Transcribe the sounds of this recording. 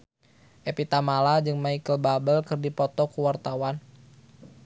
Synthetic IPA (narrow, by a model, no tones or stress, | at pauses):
ʔepit̪amalad͡ʒɨŋmaikəlbabəlkɨrdipɔt̪ɔkuwart̪awan